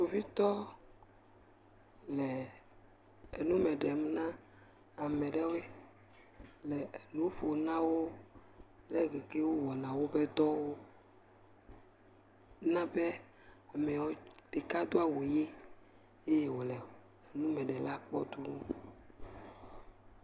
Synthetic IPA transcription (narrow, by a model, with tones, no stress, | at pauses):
to˨vi˦t̪ɔ˦ | lɛ˨ | e˨nũ˦mɛ̃˨ɖɛ˨mũ˦nã˦ | a˨mɛ̃˨ɖɛ˦wo˦e˦ | lɛ˨e˨nũ˦ɸo˨nã˦wo˦ | lɛ˦ɡe˨ke˦wo˦wɔ˨nã˨wo˦bɛ˦d̪ɔ˦wo˦ | nã˦bɛ˦ | a˨mɛ˨wɔ˨ɖ̥e˨ka˦d̪o˦a˨wo˨je˦ | e˦je˦wo˨lɛ˨ | e˨nũ˦mɛ̃˨ɖɛ˨la˦k͡pɔ̰˦d̪u˦nũ˦